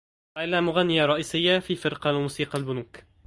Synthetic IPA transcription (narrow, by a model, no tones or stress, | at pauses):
ʔalaːmʊɣanːɪjaɾˤɑʔiːsɪjːafiːfɪɾqɑmuːsiːqɑlbʊnuːk